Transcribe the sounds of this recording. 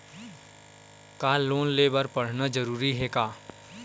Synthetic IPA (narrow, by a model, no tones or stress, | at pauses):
kaːloːnleːbəɾpɐɽ̤nad͡ʒɐɾuːɾiɦɛkaː